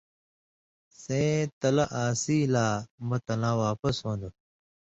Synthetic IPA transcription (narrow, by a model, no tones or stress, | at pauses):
sẽːt̪ɐlɐʔaːsiːlaːmɐt̪ɐlãːwaːpɐsɦõːnd̪u